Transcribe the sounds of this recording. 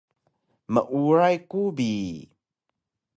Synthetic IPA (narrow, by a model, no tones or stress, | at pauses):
mə̰ʔuɹajkubi